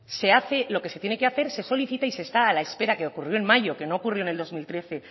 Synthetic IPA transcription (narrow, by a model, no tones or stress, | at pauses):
se̞aθe̞lo̞ke̞se̞t̪jene̞ke̞aθe̞ɾse̞so̞liθit̪aise̞ːst̪aːlae̞spe̞ɾake̞okurjo̞e̞nmaʝo̞ke̞no̞ːkurjoneld̪o̞zmilt̪ɾe̞θe̞